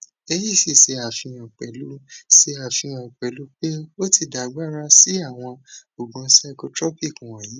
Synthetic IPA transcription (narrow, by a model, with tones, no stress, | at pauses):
e˧ji˦˨si˦˨se˧a˨fĩ˧ã˨k͡pɛ˨lu˦se˧a˨fĩ˧j̃ã˨k͡pɛ˨lu˨˦k͡pe˦o˦ti˦˧˨da˨˦ɡ͡ba˦ɾa˧si˦a˦˨w̃ɔ̃˧o˨ɡ͡bũ˧˦sɛ˦˧ko˧tɾɔ˦pi˦˨kũ˨w̃ɔ̃˨ji˨˦